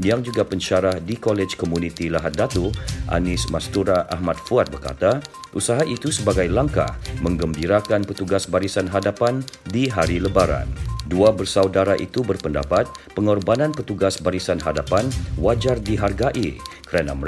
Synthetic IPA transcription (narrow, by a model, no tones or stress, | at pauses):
jaŋd͡ʒuɡapəɲt͡ʃaɾahdikɔlɛt͡ʃkomunit̪ilaɦat̪̚dat̪uʔa̰nɪsmast̪uɾaʔahmat̪̚fuat̪̚bərka̰t̪a | ʔusaɦaʔit̪usəbaɡajlaŋka̰hmə̃ŋɡəmbiɾakanpət̪uɡasbaɾisanɦadapandiɦaɾiləbaɾa̰nduabərsaudaɾaʔit̪ubərpənda̰pat̪̚pəŋɔrbanãnpət̪uɡasbaɾisanɦadapanwad͡ʒardiɦarɡaʔikəɾana̰mə